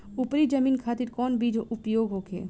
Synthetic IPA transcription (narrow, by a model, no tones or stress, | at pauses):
upɾid͡ʒəmiːnkʰaːt̪iɾkɔːnbid͡ʒʱʔupjoɡɦoːkʰḛː